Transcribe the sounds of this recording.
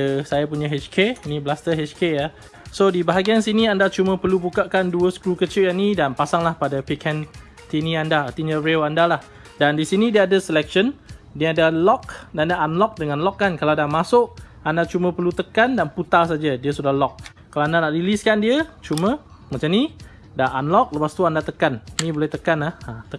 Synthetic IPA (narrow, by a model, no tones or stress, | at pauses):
əsajapuɲãɦet͡ʃkeiniblast̪əɦet͡ʃkeja | sodibaɦaɡiansiniandat͡ʃumə̃pərlubukaʔkanduəsə̥kɾukət͡ʃɪʔjaʔnidanpasaŋlahpadapikʰɛn | t̪iniandaːrt̪iɲə̃ɾewandalah | dandisinĩdiəadəsəlɛk̚ʃən | diəadalɔk̚dandaʔːnlɔk̚dəŋanlɔkːankalaadamasʊʔ | andat͡ʃumə̃pərlut̪əkandanput̪asad͡ʒədiəsudahlɔk̚ː | alaandanaʔliliskandiət͡ʃumə̃ | mãt͡ʃamni | daʔanlɔk̚ləpast̪uandat̪əkannĩbolɛht̪əkanahat̪ə